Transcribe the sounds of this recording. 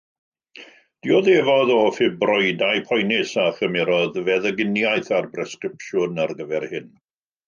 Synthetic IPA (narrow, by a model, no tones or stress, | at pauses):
d̥iɔðevɔðɔfɪbrɔjdajpʰɔjnɪsaχəmɛɾɔðvɛðəɡɪnjajθarbrɛskrɪpʃʊnarɡəvɛrhɪn